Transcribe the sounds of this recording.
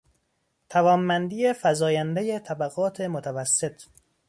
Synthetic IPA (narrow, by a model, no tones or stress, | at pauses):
t̪ʰævɒːmːænd̪ije̞fæzɒːjænd̪ejet̪ʰæbæɣɒːt̪ʰe̞mot̪ʰævæsːe̞t̪ʰ